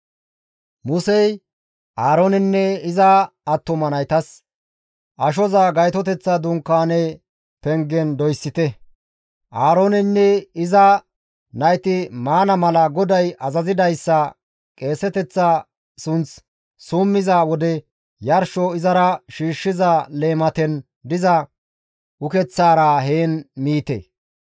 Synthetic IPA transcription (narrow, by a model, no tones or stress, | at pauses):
mʊsɛj | ʔaːɾoːnɪnːɛɪzɐɐt̪ːʊmɐnɐjt̪ɐs | ʔɐʃ̬ɔzaːɡɐjt̪ɔt̪ɛt͡sːɐd̪ʊŋkːaːnɛ | pɛŋɡɛnd̪ɔjsːɪt̪ɛ | ʔaːɾoːnɛnːɛɪzɐ | nɐjt̪ɪmaːnɐmɐlɐɡɔd̪ɐjʔɐzɐzɪd̪ɐjsːɐ | kʼe̞ːsɛt̪ɛt͡sːa | sʊnt͡s | suːmːɪzawɔd̪ɛ | jɐɾʃɔɪzɐɾɐʃiːʃːɪzaleːmɐt̪ɛn | d̪ɪzɐ | ʔʊkɛt͡sːaːɾaheːnmiːt̪ḛ